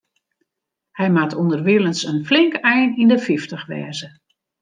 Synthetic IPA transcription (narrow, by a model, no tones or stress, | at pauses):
hɛjmatʰondərʋɪlˠənsənflɪŋkɛjnindəfiftəxʋɛ̰ːzə